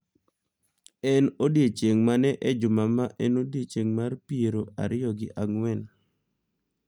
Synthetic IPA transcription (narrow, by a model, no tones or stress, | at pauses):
ɛnodjet͡ʃeŋmanɛʔɛd͡ʒʊmamaʔɛnodjet͡ʃeŋmarpieɾoa̰ɾɪjɔɡɪʔaŋwɛl